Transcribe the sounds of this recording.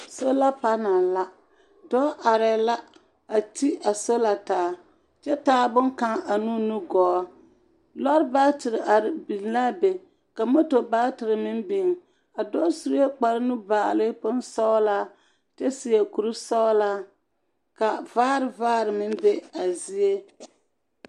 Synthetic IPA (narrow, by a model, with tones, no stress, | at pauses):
so˦la˦pa˦na˨la˦ | dɔ˦ʔa˨ɾɛ˨la˦ | a˨ti˦a˨so˦la˨taː˨˦ | t͡ʃɛ˦taː˦bʊ˦ŋka˦ŋa˨nu˦nu˦ɡɔː˨˦ | lɔ˦ɾbaː˦tɪ˨ɾɨ˨ʔa˨ɾbi˨˦la˦be˨ | ka˨mo˦to˨baː˦tɨ˨ɾɨ˨mɪ˦mbi˨ŋ˨ | a˨dɔ˦su˦ɾje˦k͡pa˨ɾɨ˦nʊ˦baː˨lɨ˦pʊ˦n˦sɔ˦la˦ | t͡ʃɛ˦si˨je˨ku˨ɾɨ˦sɔ˦la˦ | ka˨vaː˦ɾɨ˨vaː˦ɾɨ˨mɪ˦n˦be˦a˨zi˦e˦